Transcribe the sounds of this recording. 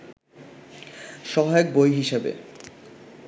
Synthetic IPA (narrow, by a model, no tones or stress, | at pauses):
ʃɔɦaek̚bojɦiʃebḛ